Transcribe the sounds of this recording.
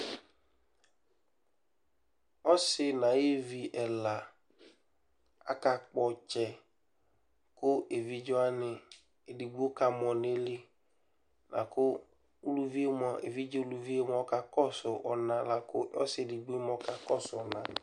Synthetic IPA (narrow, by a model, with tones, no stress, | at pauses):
ɔ˦sɪ˦nã˨e˦vi˨ʔɛ˨la˨ | a̰˦ka˨k͡pɔ˨t͡ʃɛ˨ | kʊ˦ʔe˨vi˦d͡ʒɔ˦a˦nɪ˨ | e˨di˨ɡ͡bu˦o˦ka˨mɔ˨n˦e˦li˦ | nʔã̰˨kʊ˦ | u˦lu˦vi˦e˦m˦ɔ˨ḛ˨vi˦d͡ʒo˦o˦˨lu˨vi˦e˦m˦ɔ˦ka˨kɔ˦sʊ˨ʔɔ˨nã˨la˨kʊ˦ɔ̰˦sɪ˦e˨di˨ɡ͡bu˦e˦mɔ˦ka˨kɔ˦˨sʊ˨ɔ˨nã˨